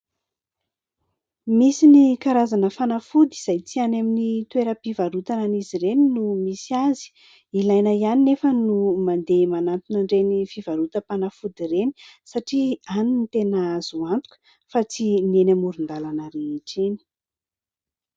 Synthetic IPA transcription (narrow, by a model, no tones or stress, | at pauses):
misinikaɾazanəfanafud̪iz̥ajt͡sianaminit̪weɾəpivaɾut̪ananiziɾeninumisiazi̥ | ilajnaianinefənumand̪emanant̪unaɳɖ͡ʐenifivaɾut̪əpanəfud̪iɾeni̥saʈ͡ʂianinit̪enaaz̥uant̪u̥kə̥ | fat͡sinienamuɾund̪alanəɾeiʈ͡ʂini̥